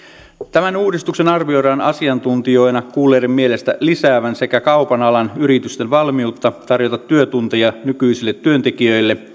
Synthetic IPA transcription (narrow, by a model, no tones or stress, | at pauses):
t̪æmænuːdist̪ukse̞nɑrʋio̞jɾɑonɑ̰siɑnt̪unt̪io̞inɑkuːlːeːdemmie̞le̞st̪æ̰lisæːʋænse̞kækɑwpɑnɑlɑnyɾit̪yst̪e̞nʋɑlmiut̪ːɑt̪ɑrjot̪ɑt̪ːyøt̪unt̪ejɑnykyisilːet̪ːyø̞nt̪e̞kiø̞jlːe̞